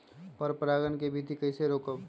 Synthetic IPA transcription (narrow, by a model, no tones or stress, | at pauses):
pəɾpɾaːɡənkebʱid̪ʱikɐɪseɾoːkəb